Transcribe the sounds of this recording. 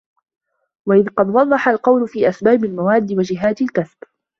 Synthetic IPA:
waʔɪðqɑd̪wɑd̪ˤːɑħalqɑwlʊfiːʔasbaːbɪlmawaːd̪ːɪwad͡ʒɪɦaːt̪ɪlkasb̥

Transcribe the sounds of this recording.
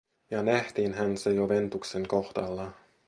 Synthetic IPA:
jɑnæht̪iːnɦænsejoʋe̞nt̪ukse̞ŋko̞hd̪ɑlːɑ

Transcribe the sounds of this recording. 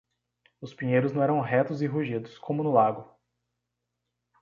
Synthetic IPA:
ʊspĩɲejɾʊznɐ̃w̃ɛɾɐ̃w̃ɦɛt̪ʊzɪɦuʒid̪ʊskʰõmʊnʊlaɡʊ

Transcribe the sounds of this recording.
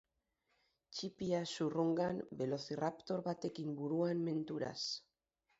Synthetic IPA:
t͡ʃipiasuruŋɡambe̞lo̞θirapt̪o̞ɾβat̪e̞kimbuɾuanme̞nt̪uɾa̰s

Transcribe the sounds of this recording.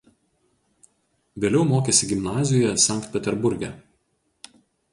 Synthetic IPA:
ʋʲeːlʲɛʊmoːkʲeːsʲɪɡʲɪmnɑːzʲɪjoːjɛsɑˑŋk̚t̪̚ʲpʲɛt̪ʲɛɾbʊɾʲɡʲɛ

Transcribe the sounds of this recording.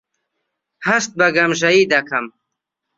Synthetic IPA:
hɐʃt̪̚bɐɡɐmʒɐjiːd̪ɐkʰɐm

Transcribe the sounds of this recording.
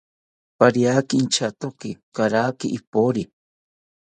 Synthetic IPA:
paɾjakint͡ʃat̪okɪkaɾaːkiʔːpoɾi

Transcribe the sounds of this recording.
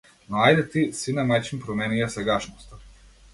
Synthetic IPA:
noajd̪et̪isinamat͡ʃimpɾomenijasaɡaʃnost̪a

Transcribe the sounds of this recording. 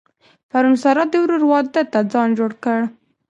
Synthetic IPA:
paɾunsaɾɑd̪əwɾuɾwɑd̪ət̪ad͡zɑnd͡ʒoɽkəɽ

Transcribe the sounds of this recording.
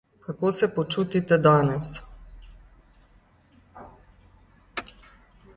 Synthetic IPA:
kakoːsɛpɔt͡ʃuːt̪it̪ɛd̪aːnɛs

